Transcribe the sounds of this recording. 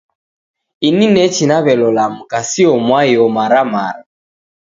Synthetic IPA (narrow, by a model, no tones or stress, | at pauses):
ininɛt͡ʃinaβɛlɔlam̩kasiɔmwajɔmaɾama̰ɾ